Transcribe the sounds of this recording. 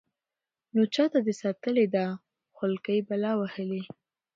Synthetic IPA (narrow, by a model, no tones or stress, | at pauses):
not͡ʃɑt̪ad̪əsɑt̪əled̪a | xʊlkəjbalɑwahəli